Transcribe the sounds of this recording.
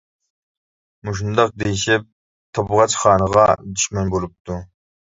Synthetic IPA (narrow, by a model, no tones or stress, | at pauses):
muʃ̬und̪ɑq̚d̪ejiʃɪp̚ | t̪ʰɑbʁɑt͡ʃχɑːnəʁɑd̪yʃmɛnbolˠup̚t̪ʰu